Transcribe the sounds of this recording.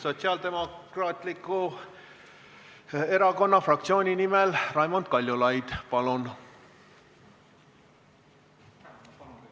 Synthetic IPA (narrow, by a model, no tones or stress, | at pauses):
so̞t̪siɑld̪e̞mo̞kkrɑːt̪likːˑu | e̞ɾɑko̞nːɑfrɑk̚t̪sio̞ːnʲinimɛlrɑjmond̪̥̚kɑlʲjulɑjd̪̥pɑlun